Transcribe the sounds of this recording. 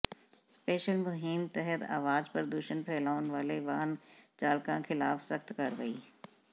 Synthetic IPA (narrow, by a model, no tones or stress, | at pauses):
speːʃəlmʊɦɪmt̪ɛɦət̪a̰ːʋaːd͡ʒpəɾd̪uːʃənpʰɛːlaːʊnʋaːleʋaːnt͡ʃaːlkãkʰɪlaːfsɐxt̪kɐɾʋəiː